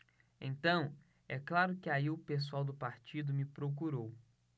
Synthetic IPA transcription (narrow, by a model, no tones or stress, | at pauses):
ḛ̃j̃t̪ɐ̃w̃ | ɛklaɾʊkɪaiʊpes̬uawd̪ʊpaɾt͡ʃid̪ʊmɪpɾok̬uɾow